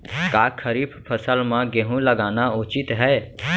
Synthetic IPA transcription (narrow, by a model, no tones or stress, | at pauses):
kaːkʰəɾiːpʰpʰəsəlmãɡeɦũləɡaːnaʊːt͡ʃɪt̪ɦɛː